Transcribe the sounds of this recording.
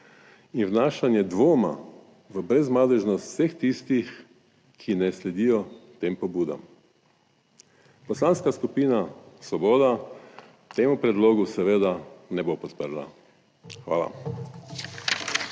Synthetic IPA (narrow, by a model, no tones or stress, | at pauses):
inwnaːʃanjɛd̪ʋoːma̰ | ʋəbɾɛzmaːd̪ɛʒnɔst̪sext̪ist̪ix | kʰinɛslɛd̪ijɔt̪eːmpɔbuːd̪a̰m | pɔslaːnskaskupiːnasʋɔboːd̪a | t̪eːmupɾɛd̪loːɡusɛʋeːd̪anɛbopɔt̪pəɾla̰ | xʋa̰ːla̰